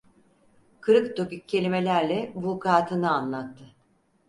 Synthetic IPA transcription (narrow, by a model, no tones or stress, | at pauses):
kʰɯɾɯkt̪okʲycʰːe̞lʲime̞lʲæɾlʲɛbukʰaːt̪ʰɯnɯanlˠat̪ːɯ